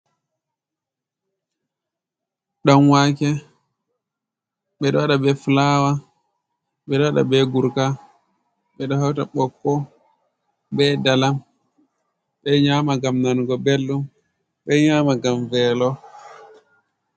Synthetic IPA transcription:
ɗanwaːkɛ | ɓɛɗɔwaɗabɛfulawa | ɓɛɗɔwaɗa̰bɛɡuɾka | ɓɛɗɔhawtaɓɔkːɔ | bɛdalam | ɓɛɲaːmaɡamnanɡɔbelːum | ɓɛɲamaɡamvɛlɔ

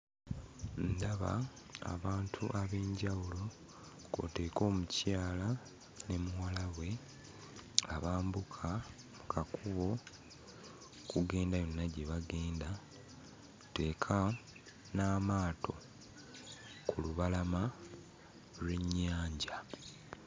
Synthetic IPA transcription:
ndaβa̰ | a̰βaːntʰuʔaβe̞ːɲɟawulo | ɡo̞̰te̞ːko̞ːmucaːla | ne̞muwalaβwe̞ | aβaːmbukʰa | mukʰakuβo̞ | kuɡe̞ːndajo̞nːaɟe̞βaɡe̞ːnda | te̞ːkʰa | naːmaːtʰo̞̰ | kuluβalama | lwe̞ɲːaːɲɟa

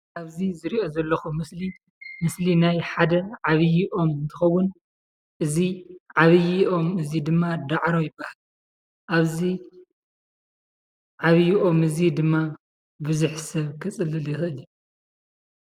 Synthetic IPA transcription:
ʔaβzizɨɾiʔo̞zɐlːɐxumɨsli | mɨslinajħad̪ɐʕaβjiʔo̞mɨnt̪ʰɨxɐwːʊn | ʔɨziʕaβɨjiʔo̞mɨzid̪ɨmːad̪aʕɾojɪbːahal | ʔaβzi | ʕaβjiʔo̞mɨzid̪ɨmːa | bɨzuħsɐβkʰɨt͡sʼɨlɨljixɨʔɨlju

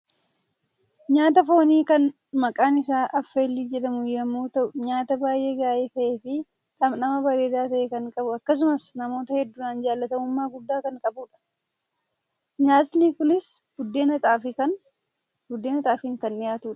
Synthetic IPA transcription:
ɲaːt̪̬ɐfo̞ːniːkɐn | mɐkʼaːnɪsaːʔɐfːe̞ːlːiːd͡ʒɛᶑɐmʊjɐmːuːt̪ɐʔʊɲaːt̪ɐbaːjʔe̞ːɡaːʔeːt̪ɐʔe̞ːfɪ | ᶑɐmnɐmɐbɐɾe̞ːd̪aːt̪ɐʔeːkɐŋkʼɐbʊɐkːɐs̬ʊmɐsnɐmo̞ːt̪ɐhɛd̪ːʊnaːnd͡ʒaːlːɐt̪ɐmʊmːaːɡʊd̪ːaːkɐŋkʼɐbuːᶑɐ̥ | ɲaːt̪nɪkʊnɪsb̥ʊd̪ːeːnɐt̪aːfɪkɐn | bʊd̪ːeːnɐt̪aːfɪŋkɐnɪjaːt̪uːᶑɐ̥

